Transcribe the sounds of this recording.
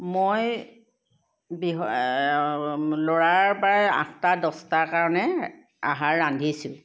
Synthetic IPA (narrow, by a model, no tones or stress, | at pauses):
moj | biɦ | loɹaɹpaɹɛã̰kʰtadɔstaɹkaɹɔnɛ | a̰ɦaɹːandʱisʊ̃